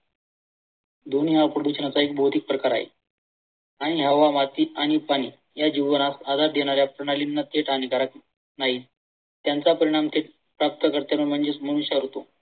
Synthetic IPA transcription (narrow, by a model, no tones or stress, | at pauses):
d̪onjapɾəd̪ut͡ɕɳat͡saek̚bʱowt̪ik̚pɾəkaɾa̰ɦḛ | aɽ̃iɦəʋamat̪iːaɽ̃ipaɽ̃iː | jad͡ʑiʋənasad̪ʱaɾd̪ʱeɽ̃aɾjapɾəɽ̃alinːat̪ʰeʈʰanikaɾak | naɦiː | t̪jant͡sapəɾiɽ̃amt̪ʰeʈ̚ | pɾap̚t̪əkəɾt̪janum̤əɳd͡zet͡sməɽ̃uɕaɾɦot̪o